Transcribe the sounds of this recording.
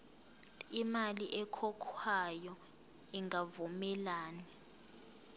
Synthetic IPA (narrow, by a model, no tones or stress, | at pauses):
imaliʔɛkʰɔkʰwajɔ | iŋavumɛlaːni